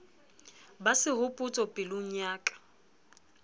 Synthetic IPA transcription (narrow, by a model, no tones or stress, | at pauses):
basɪɦʊpʼʊt͡sʼɔpʼɪlʊŋ̩aːkʼḁ